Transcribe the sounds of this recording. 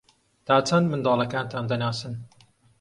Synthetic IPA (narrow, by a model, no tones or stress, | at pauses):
t̪ʰaːt͡sʰɐnd̪mɨnd̪ɑːlˠɐkaːnt̪ʰaːnd̪ɐnaːsɨn